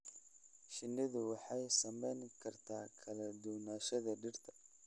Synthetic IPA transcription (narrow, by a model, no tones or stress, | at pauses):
ʃɪnːɪðʊwɑħɑjsɐmɛjnkʰɐrt̪ʰaːkʰɐlɐd̪ʊwnaːʃɐðɐɖɪrt̪ʰɐ̥